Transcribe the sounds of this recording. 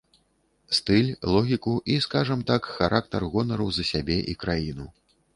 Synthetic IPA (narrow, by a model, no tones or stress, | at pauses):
st̪ɨlʲlˠɔɣʲikuʔiskaʐɐmt̪akxaɾʔak̚t̪ɐrɣɔnɐɾɐwzɐsʲabʲɛʔikɾajinu